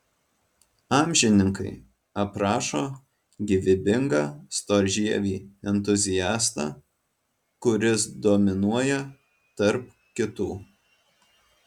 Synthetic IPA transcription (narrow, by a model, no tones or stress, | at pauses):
ɑːmʲʒʲɪnʲɪŋkɐɪ | ɐpɾɑːʃoː | ɡʲɪʋʲɪbʲɪŋɡɑːst̪oːɾʲʒʲiɛʋʲiːɛnt̪ʊzʲɪjæːst̪ɑ̰ː | kʊɾʲɪsd̪ɔmʲɪnuɔjɛ | t̪ɐɾp | kʲɪt̪uː